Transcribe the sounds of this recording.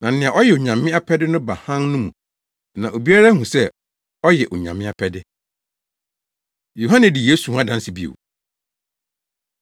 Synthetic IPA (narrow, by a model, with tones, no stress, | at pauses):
nã˨n̩˦nɪ̃˨a˨ʔɔ˦jɛ˨o˨ɲã˨mɪ̃˦a˦pʰɛ˦dɪ˦nʊ̃˦ba˨hã˦nnʊ̃˦mũ˨ | nã˨ʔo˨bi˦a˦ɾa˦hũ˨sɛ˦ | ɔ˦jɛ˨ʔo˨ɲã̰˨mɪ̃˦a˦pʰɛ˦dɪ˦ | jo˨ɦã˦nɛ̃˨di˨jeː˦sũ˨˦a˦dã˦n˦sɪ˨bi˦ḛ˨w